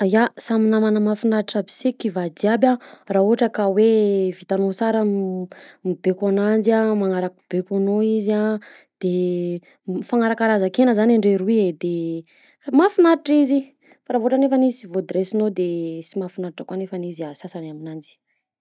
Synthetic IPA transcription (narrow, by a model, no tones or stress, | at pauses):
ajasaminamanəmafunaɾiʈ͡ʂabi̥sekivad̪iabʲãrauɦaʈ͡ʂəkawevit̪anot͡saɾə | mibekanand͡ziamaŋaɾakub̥ekanoiza | d̪̥e | mifaŋaɾakaɾazakenəzanaɳɖ͡ʐeɾuied̪e | mafunaɾiʈ͡ʂizi | faɾavoʈ͡ʂanefanizisivod̪ɾesinod̪esimafunaɾiʈ͡ʂəkanefaniziasasanaminand͡ʒi̥